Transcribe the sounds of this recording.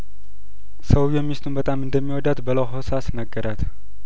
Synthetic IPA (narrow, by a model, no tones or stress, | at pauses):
səwjɛmːist̪ʰʼunbət̪ʼamɨnd̪əmːiwɔd̪at̪bəloɦosasnəɡːəɾʔat̪